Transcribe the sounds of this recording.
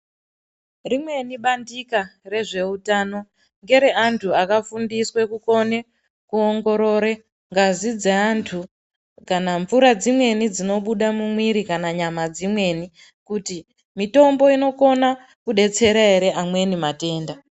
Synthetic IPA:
rimwe̞niɓandikare̞ʐe̞utaːno̞ | ŋɡe̞ɾe̞ʔantʰuakafundiswe̞kuko̞ne | kuoŋɡo̞ɾo̞ːɾe | ŋɡazid͡zeantʰu | kanaɱfuɾad͡zimwe̞nid͡zino̞ɓuɗamumwiɾikanaɲamad͡zimwe̞ni | kuti | mito̞mbo̞ino̞ko̞na | kuɗe̞t͡se̞ɾaɦe̞ɾe̞ʔamwe̞nimate̞ːnda

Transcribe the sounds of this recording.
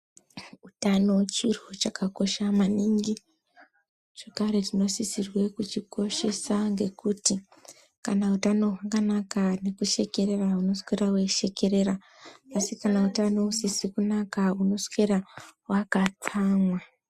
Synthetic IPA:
utano̞t͡ʃirut͡ʃakako̞ʃamaniŋɡi | ʐ̥o̞kaɾe̞tino̞sisirwe̞kut͡ʃiko̞ʃe̞saŋɡe̞kuti | kanautano̞ɦakanakane̞kuʃe̞ke̞ɾe̞rauno̞skeɾaweʃe̞ke̞ɾe̞ɾaː | sikanautano̞usisikunakauno̞skeɾawakat͡saːmwa

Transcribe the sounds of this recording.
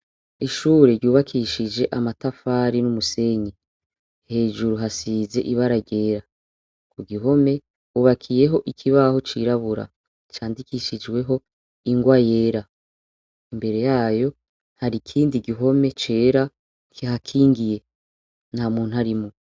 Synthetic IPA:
iʃuːɾe̞ɾɟuːβakʰiʃid͡ʒe̞ʔamatafaɾinumuse̞ɲi | he̞ːʒuɾuɦasiːze̞̰ʔiβaɾaɟe̞ːɾa | kuɡiɦo̞me̞ | huβakʰije̞ɦo̞ʔikʰiβaho̞t͡ʃiɾaβuɾa̰ | t͡ʃaːndikiʃid͡ʒwe̞ɦo̞ | iŋɡwaje̞ːɾa | imbe̞ɾe̞jaːjo̞ | haɾikʰiːndiɡiɦo̞me̞t͡ʃe̞ːɾa | kʰiɦakʰiːŋɡije̞ | n̥haːmuːnuhaɾimu

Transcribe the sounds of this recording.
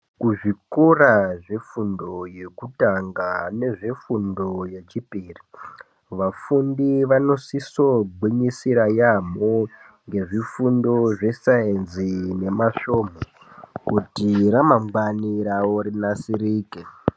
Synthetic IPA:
kuʐikuraʐefundo̞je̞kutaŋɡane̞ʐe̞fundo̞je̞t͡ʃipiːri | ʋafundiʋano̞siso̞ɡʱwiɲisiɾajamo | ŋɡe̞ʐifundo̞ʐe̞saenzine̞maʃo̞ːmo | kutiɾamamɡaniɾawoɾinasiɾiːke

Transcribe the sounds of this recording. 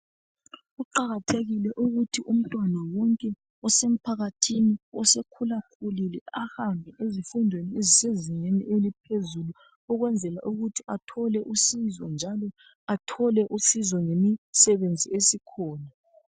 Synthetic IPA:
ɣuǃaɣatʰeɣilɛʔuɣutʰiʔum̩tʼwanawɔŋkʼɛ | ɔsem̩pʰaɣatʰiniɔsekʰulakʰulilɛahambʱɛʔezifundʱwenieziseziŋeniʔelipʰezulu | ɔɣwɛnd͡zʱɛla̰ʔuɣutʰiʔatʰɔlɛʔusizɔnd͡ʒʱalɔ | atʰɔlɛʔusizɔŋemisɛβend͡zʱiesikʰɔːna

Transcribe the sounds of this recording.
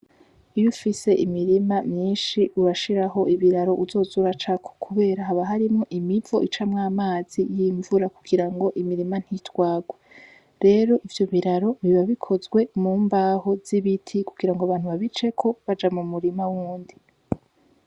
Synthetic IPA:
ijufise̞ʔimiɾimamɲiːnʃiuβaʃiɾaɦo̞ʔiβiɾaɾo̞ʔuzo̞ːzuɾat͡ʃakʰo̥kʰuβe̞ːɾaɦaβaɦaɾimŋoʔimivo̞ʔit͡ʃamŋaːmaːz̥ijiːɱvuɾakuɡ̥iɾaŋɡo̞ʔimiɾiman̥hitwaːɡwe | ɾe̞ːɾo̞ʔivjo̞βiɾaɾo̞βiβaβikʰo̞zɡwe̞muːmbaːho̞z̥iβitʰikuɡ̥iɾaŋɡoaβaːnhuβaβit͡ʃe̞kʰo̞βad͡ʒamumuɾimawuːndi

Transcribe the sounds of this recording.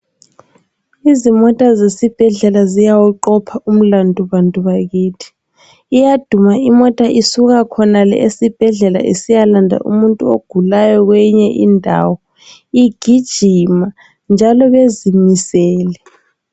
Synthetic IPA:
izimɔtʼazesib̥ʱɛɮɛlazijawuǃɔpʰaum̩landʱʼuβantʼuβaɣiːtʰi̥ː | jad̥ʱumaimɔtʼaʔisuɣakʰɔnalɛ̰ʔesib̥ʱɛɮɛla̰ʔḛsijalandʱa̰ʔṵmuntʼuoɡ̥ʱulajɔɣwɛɲɛʔḭndʱa̰wɔ | iɡ̥ʱid̥ʒ̥ʱima | nd͡ʒʱalɔβezimisɛːlɛ

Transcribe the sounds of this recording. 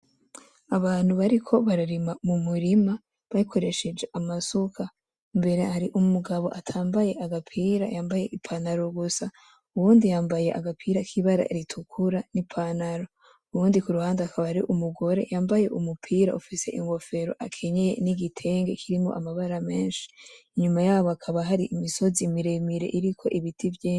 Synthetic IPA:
aβaːn̥huβaɾikʰo̞βaɾaɾimamumuɾima | βaikʰo̞ɾe̞ʃe̞d͡ʒe̞ʔamasukʰa | mbe̞ɾe̞haɾiʔumuɡaβo̞ʔatʰaːmbaje̞ʔaɡapʰiːɾa̰jaːmbaje̞ʔipʰanaɾo̞ɡusa | uβuːndijaːmbaje̞ʔa̰ɡapʰiːɾakʰiβaɾa̰eɾitʰukʰuɾanipʰanaɾo̞ | uɾuːndikuɾuhaːndeakaβahaɾiʔumuɡo̞ɾe̞̰jaːmbaje̞ʔumupʰiːɾa̰ufise̞̰ʔiŋɡo̞fe̞ɾo̞̰ʔakʰe̞ɲeje̞̰niɡitʰe̞ːŋɡe̞kʰiɾimo̞ʔamaβaɾame̞ːnʃi̥ːɲumajaːβoakʰaβaɦaɾiʔimiso̞zimiɾe̞miɾe̞̰ʔiɾikʰo̞̰ʔiβitʰivjeː

